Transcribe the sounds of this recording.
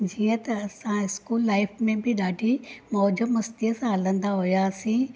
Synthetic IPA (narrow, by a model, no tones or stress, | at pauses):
d͡ʑiːə̃t̪ɐːsãɪskuːlːaːɪfmẽbɪɗaːɖʱimɔːd͡ʑəmɐst̪iəsãɦɐlə̃nd̪aɦʊjaːsĩː